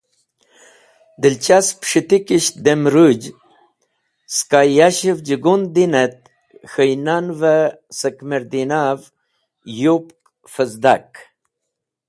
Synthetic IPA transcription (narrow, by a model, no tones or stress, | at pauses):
d̪ilt͡ɕaspʂit̪ikiɕd̪emɾud͡ʑ | skajaɕivd͡ʒiɡund̪inet̪ | xəjnanva | səkmeɾd̪inaːv | jupk | fəzd̪ak